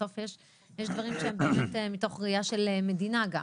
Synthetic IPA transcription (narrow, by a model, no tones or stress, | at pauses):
o̞fjeʃ | jeʃd̪vaʁimʃeembeːmetemito̞χʁiaʃe̞leme̞dinaɡa